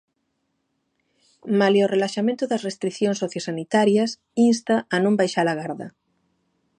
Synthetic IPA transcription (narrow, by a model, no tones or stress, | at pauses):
maleorelaʃamẽnt̪ʊðɐsrest̪ɾikθjonsoθjosanit̪aɾjɐs | inst̪aʔːnõmbajʃaɾaɣaɾðɐ̰